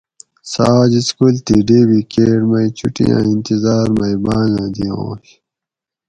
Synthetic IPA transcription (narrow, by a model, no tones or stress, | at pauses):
saːd͡ʑiskult̪iɖeːbikeːʈmɐjt͡ɕʰṵʈḭã̰ːint̪izaːɾmɐibaːzãːd̪iõ̰ːɕ